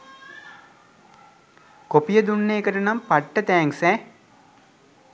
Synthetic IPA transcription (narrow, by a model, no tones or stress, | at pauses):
kopijəd̪unːeːkəʈənampaʈːət̪ɛːŋsɛ